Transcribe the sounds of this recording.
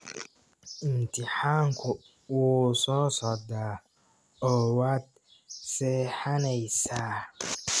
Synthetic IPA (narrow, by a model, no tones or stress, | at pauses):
ʔɪmt̪ʰɪħaːŋkʰʊ | wuːsɔːsɔːd̪aː | ɔːwaːd̪̚ | sɛːħanɛjsaː